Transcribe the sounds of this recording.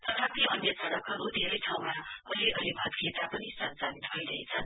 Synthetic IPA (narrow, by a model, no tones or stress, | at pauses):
t̪ʌt̪ʰat̪iʌnjʌt͡sʰʌɽʌkʌɾud̪ʱeɾʌjʈʰaw̃maʌliʔʌlibʱʌt̪ket̪apʌnisʌnt͡sanit̪̚bʌjɾʌɦet͡sʰʌn